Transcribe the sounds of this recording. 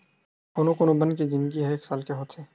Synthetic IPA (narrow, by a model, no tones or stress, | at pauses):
koːnõkoːnobənkid͡ʒɪnd̪ɡiɦɛeːksaːlkeɦoːt̪ʰeː